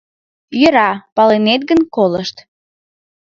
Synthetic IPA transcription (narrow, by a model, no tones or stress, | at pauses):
jəɾɑpɑlenet̪̚ɡənkoləʃt̪